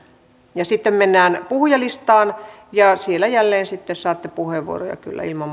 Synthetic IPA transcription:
jɑsit̪ːemmenːæːnpuhjɑlist̪ɑːnjɑsielːæjælːeːnsit̪ːessɑːt̪ːepuheʋʋṵo̰ro̰jɑ̰ky̰lːæ̰ilmɑm

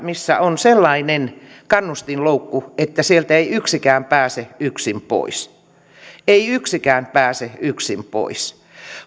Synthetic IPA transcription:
misːæ̰onselːɑinenkɑnːust̪inloukːuet̪ːæsielt̪æeiyksikæːmpæːseyksimpo̰is | eiyksikæːnpæːseyksimpo̰is

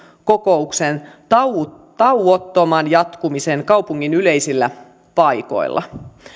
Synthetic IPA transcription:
ko̞ko̞uksen | t̪ɑuot̪ːomɑnjɑt̪kumisenkɑupuŋːinylejsilːæ | pɑjko̞̰ilːʔɑ̰

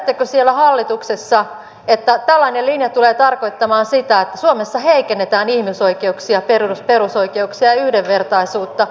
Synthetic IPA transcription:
t̪ːekøsielːæhɑlːit̪uksesːɑ | et̪ːæt̪ælːɑinelinjɑt̪uleːt̪ɑrko̞it̪ːɑmɑːnsit̪æet̪ːæsuomesːɑheikenːet̪æːnihmiso̞ikeuksiɑperusperuso̞ikeuksiɑjɑyhdeʋːert̪ɑisuːt̪ːɑ

